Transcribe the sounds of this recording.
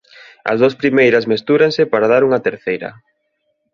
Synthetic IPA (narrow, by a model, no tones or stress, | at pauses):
ɐ̰zðospɾimejɾɐsmest̪uɾaŋsɪpaɾað̞aɾuŋɐt̪eɾθejɾɐ̰